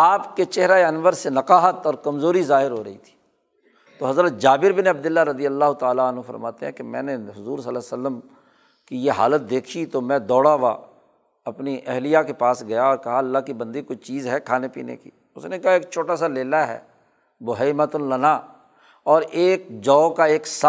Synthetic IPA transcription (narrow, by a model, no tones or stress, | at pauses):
aːpket͡ʃɛɦɾaeɐnʋəɾsenɐkaːɦət̪ɔːɾkɐmzoːɾizaːɦɪɾɦoːɾɐḭt̪ʰi̥ː | t̪oːɦɐzɾət̪̚d͡ʒaːbɪɾbɪneɐb̚d̪ɪlːaɾəd̪ijəlːaːɦʊt̪aːlaənɦũfə̰ɾmaːt̪eɦɛ̃ːkemɛ̰̃ːneɦʊzuːɾsəlasəlːəm | kijeɦa̰ːlət̪̚d̪eːkʰit̪omɛ̃ːd̪ɔːɽaʋa | ɐpniʔɛɦlijakepaːsɡɐjaɔːɾkɐɦaɐlːaːɦkibə̃nd̪ikoit͡ʃiːzɦɛkʰaːnepḭːnḛkḭː | ʊsnekɐɦaeːk̚t͡ʃʰoːʈaːsaleːlaɦɛ̰ː | bʊɦeːmat̪ʊnlənaː | ɔːɾeːk̚d͡ʒɔːkaeːksa